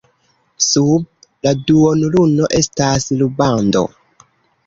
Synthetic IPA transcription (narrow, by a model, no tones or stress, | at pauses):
sub̚ | laduonuluno̞ʔe̞staslubando̞̰